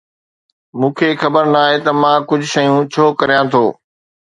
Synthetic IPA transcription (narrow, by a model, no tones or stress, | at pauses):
mũːkʰeːxɐbəɾnaːɦet̪ɐmãːkʊd͡ʑʱʃɐjũt͡ɕʰoːkɐɾijãt̪ʰoː